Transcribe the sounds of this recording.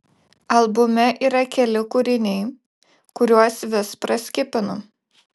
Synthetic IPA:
ɐlˠbʊmʲɛʔiːɾɐkʲɛlʲɪkʊɾʲɪnʲɛɪ | kʊɾʲuɔsʋʲɪspɾɐsʲkʲɪpʲɪnʊ

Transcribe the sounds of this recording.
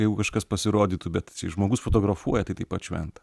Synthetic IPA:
jɛɪɡʊkɐʃkɐspɐsʲɪɾoːd̪ʲiːt̪ʊbʲɛt̪t͡sʲɛɪʒmoːɡʊsfot̪oːɡɾɐfuɔjɛt̪ɐɪt̪ɐɪpɐt̪ʃʲʋʲɛ̰nt̪ɐ̥

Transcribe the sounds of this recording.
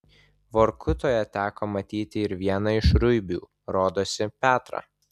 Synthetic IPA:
ʋoːɾkʰʊt̪oːjɛt̪ʲæːkoːmɐt̪ʲiːt̪ʲɪɪɾʋʲiɛnɐɪʃɾʊɪbʲṵː | ɾoːd̪oːsʲɪpʲæːt̪ɾɑ̰ː

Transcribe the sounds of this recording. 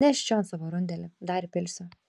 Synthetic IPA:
ɛʃʲt͡ʃʲoːnsɑʋoɾʊnʲd̪ʲɛlʲɪd̪ɑɾɪpʲɪlʲsʲʊ

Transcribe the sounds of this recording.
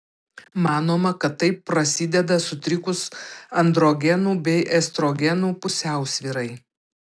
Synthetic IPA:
mɑːnoːmɐkɐt̪ːɐɪpːɾɐsʲɪd̪ʲɛd̪ɐsʊt̪ʲɾʲɪkʊsɐnd̪ɾoːɡʲɛnuːbʲɛɪʔɛst̪ɾoːɡʲɛnuːpʊsʲæˑʊsʲʋʲiːɾɐɪ

